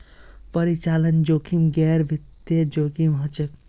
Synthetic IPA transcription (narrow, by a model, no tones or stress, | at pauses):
pəɾit͡ʃaːlənd͡ʒoːkimɡɛːɾʋit̪jed͡ʒoːkimɦɐt͡ʃək